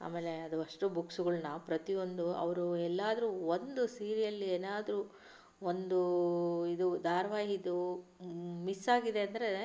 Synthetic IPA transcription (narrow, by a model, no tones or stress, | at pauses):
a̰ːmeːle̞ɐd̪uɐʂʈubuksuɡɐɭunɐpɾɐt̪io̞nd̪uɐ̰ʋɐɾuɛlːaːd̪ɐɾuːond̪usiːɾijɐlːieːnaːd̪ɐɾuː | ond̪uid̪ud̪ʱaːɾɐʋaːɦid̪u | misːaːɡid̪e̞ɐnd̪ɐɾe̞